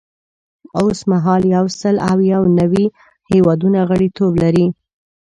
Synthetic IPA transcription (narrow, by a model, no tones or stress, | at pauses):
osmaɦɑljawsəlawjawnawi | hewɑd̪unaɣəɽit̪oblaɾi